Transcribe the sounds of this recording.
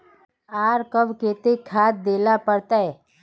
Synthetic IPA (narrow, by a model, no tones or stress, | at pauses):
aːɾkɐbkeːt̪ekʰaːt̪̚d̪eːlapəɾt̪aɛ